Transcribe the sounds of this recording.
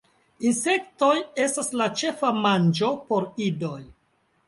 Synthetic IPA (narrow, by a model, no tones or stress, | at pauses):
inse̞kto̞je̞staslat͡ʃe̞famand͡ʒo̞po̞ɾido̞j